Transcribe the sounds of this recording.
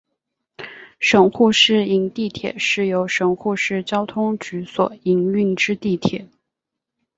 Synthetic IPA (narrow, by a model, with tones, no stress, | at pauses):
ʂɤ˨˩ŋxu˥˧ʂɻ̩˥˩i˧˥ŋt̪i˥˩t̪ʰjɛ̰˨˩˦ʂɻ̩˥˩jo˧˥ʊʂɤ˨˩ŋxu˥˧ʂɻ̩˥˩t͡ɕjɑ˥ʊt̪ʰʊ˥ŋt͡ɕy˧˥swɔ̰˨˩˦i˧˥ŋy˥˩ŋʈ͡ʂɻ̩˥t̪i˥˩t̪ʰjɛ˨˩˦